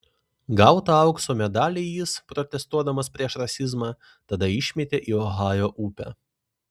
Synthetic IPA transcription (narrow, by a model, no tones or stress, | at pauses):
ɡɐʊt̪ɐɐʊksoːmʲɛd̪ɑːlʲejɪspɾɔt̪ʲɛst̪uɔd̪ɐmɐspʲɾʲiɛʃɾɐsʲɪzmɑː | t̪ɐd̪ɐɪʃʲmʲɛt̪ʲeʔiːɔɦɑːjoːʔuːpʲæ̰